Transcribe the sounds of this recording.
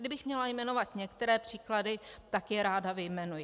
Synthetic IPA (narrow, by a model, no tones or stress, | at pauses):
dɪbɪxmɲɛlajmɛno̞vat̪ɲɛkt̪ɛɾɛːpr̥iːkladɪt̪akjɛɾaːdavɪjmɛnujɪ